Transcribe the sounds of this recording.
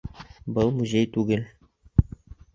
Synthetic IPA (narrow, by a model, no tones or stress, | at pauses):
bɤlˠmuzʲejt̪ʉɡɘl